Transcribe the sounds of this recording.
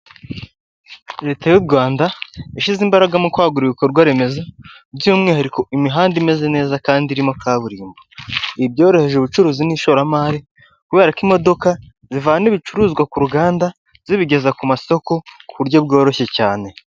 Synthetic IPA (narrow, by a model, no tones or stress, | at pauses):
ɾe̞ːtajuɾɡwaːndaiʃizimbaɾaɡamokwaːɡuɾiβiko̞ɾɡwaɾe̞me̞za | bjiumŋiːhaɾiko̞ʔimiɦaːndime̞ze̞ne̞ːzakaːndiɾimo̞kaːβuɾiːmboibjo̞ːɾo̞he̞ʒeβut͡ʃuɾuːziniʃoɾamaːɾi | kuβe̞ːɾakimo̞do̞ka | zivaniβit͡ʃuɾuːzɡwakuɾuɡaːnda | z̥iβiɟe̞zakumaso̞ko̞kuβuɾɟo̞b̚ɡo̞ːɾo̞çe̞caːne̞